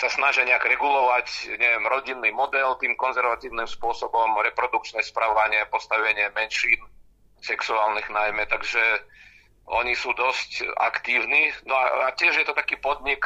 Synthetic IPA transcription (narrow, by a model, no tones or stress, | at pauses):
sasnaʒɪaɲɛaɡɾɛɡulɔʋacɲɛʋɛmɾɔɟinːimɔd̪ɛlt̪iːmkɔnzɛɾʋat̪iːʊnimspʊɔsɔbɔmɾɛpɾɔd̪uk̚t͡ʃnɛspɾaʋaɲɪɛpɔst̪aʋɛɲɪɛmɛnʃiːn | sɛksuaːlniɣnajmɛt̪aɡʒɛ | ʔɔ̰ɲisuːd̪ɔsca̰kt̪iːʊninɔa̰acɪɛʒjɛt̪ɔt̪akiːpɔd̪ɲik